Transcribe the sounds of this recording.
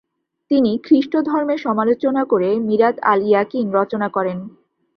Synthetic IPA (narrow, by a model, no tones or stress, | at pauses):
t̪inikɾiʃʈod̪ʱɔɾmeɾʃɔmalot͡ɕonakoɾemiɾad̪a̰lijakinɾɔt͡ɕonakɔɾen